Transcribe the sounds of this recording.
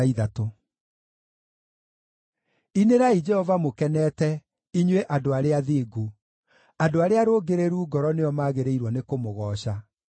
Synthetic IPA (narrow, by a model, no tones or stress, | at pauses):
iðato | ineɾaid͡ʒɛhɔvamokɛnɛːtɛ | iɲweʔadoaɾeaðiːɡu | adoaɾeaɾoɡeɾeɾuːɡɔɾɔneɔmaːɣeɾeiɾwɔnekomoɣɔːɕa